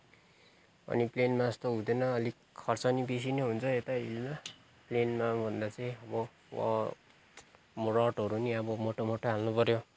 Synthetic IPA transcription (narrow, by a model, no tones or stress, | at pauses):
ʌ̰niplenmast̪oɦud̪enʌːli | kʰʌrt͡sʌnibis̬ineɦunt͡sʰʌet̪aḭlma | plenmabʱʌnd̪at͡sʌĩʌbʌ | wʌ̰ | mrʌʈʌɾuniʌbʌmoʈomoʈoɦalnupʌɾjo